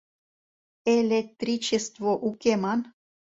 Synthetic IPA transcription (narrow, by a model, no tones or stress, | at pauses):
elʲek̚t̪rʲit͡ɕest̪voʔukemɑn